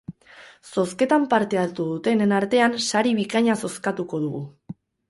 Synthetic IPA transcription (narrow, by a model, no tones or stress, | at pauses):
so̞ske̞t̪ampaɾt̪e̞at̪uðut̪e̞nenaɾt̪e̞ansaɾiβikaɲaso̞skat̪uko̞ð̞uɣu